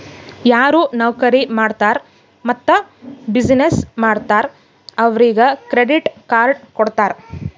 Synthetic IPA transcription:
jaːɾuːnɐʋkɐɾimaːɖt̪aːɾ | mɐt̪ːɐ | bid͡ʒnesmaːɽt̪aːɾ | ɐʋɾiːɡɐkɾeɖiʈkaːɾɖkɔɽt̪aːɾ

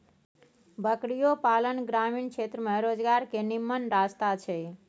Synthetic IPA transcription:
bʱəkɽijopalənɡɾamiɳkʰet̪ɾəmẽɾod͡ʒɡaɾkenimːənɾast̪at͡ʃʰɛ

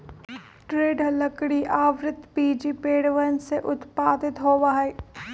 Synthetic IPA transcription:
ʈɾeːɖɦələkɽiʔaːʋɾɪt̪piːd͡ʒipeːɽʋənseʔʊt̪paːd̪ɪt̪ɦoːʋaːeː

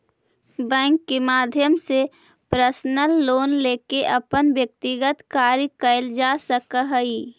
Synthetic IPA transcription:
bɛ̃ːŋkːemaːd̪ʱjəmse | pɾəsnəlːoːnleːkeʔəpənʋjək̚t̪ɪɡət̪kaːɾikəɪld͡ʒasəkəɦəi

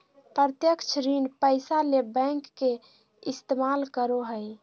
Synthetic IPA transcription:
pɾət̪jəkt͡ʃʰɾinpəɪsalebɛ̃ŋkːe | ist̪emalkəɾoɦəj

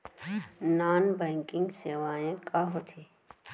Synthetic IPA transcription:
naːnbɛ̃ːŋkɪ̃ŋɡseːʋaːẽkaɦot̪ʰi

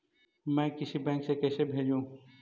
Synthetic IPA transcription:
mɛ̃ːkɪsibɛ̃ːŋksekɛːsebʱeːd͡ʒũ

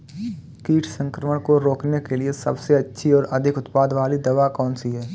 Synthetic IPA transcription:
kiːʈʰsə̃ŋkɾəməɽ̃koɾoːknekeliesɐ̰bseɐtːʃʰiɔːɾɐd̪ʱɪkʊt̪paːd̪ʋaːlid̪ɐʋakɔːnsiɦɛː

